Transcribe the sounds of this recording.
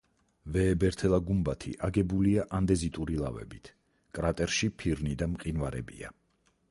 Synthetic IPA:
vɛːbɛɾt̪ʰɛlˠaɡumbat̪ʰḭʔaɡɛbuliaʔand̪ɛzit̪ʼuɾilˠa̰vɛ̰bit̪ʰ | kʼɾat̪ʼɛɾʃipʰiɾnid̪amqʼinvaɾɛbḭa̰

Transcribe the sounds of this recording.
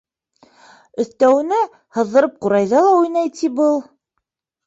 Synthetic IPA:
ɵ̆θt̪æwɘ̆nɘ | hɤ̆ðːɤ̆ɾɤp̚quɾɑjðɑlˠɑujnɑjt̪ʰibɤlˠ

